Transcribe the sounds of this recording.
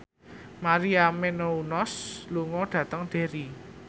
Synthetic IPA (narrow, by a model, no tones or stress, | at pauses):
maɾiamenounɔsluŋɔɖ̥ä̤t̪əŋɖ̪̥e̤ɾi